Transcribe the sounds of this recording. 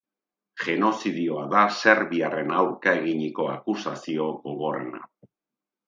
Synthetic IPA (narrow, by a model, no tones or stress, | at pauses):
ʝe̞no̞siðio̞aðase̞ɾβiare̞nawɾkae̞ɣiɲiko̞akusasio̞ɣo̞ɣ̞o̞re̞̰na̰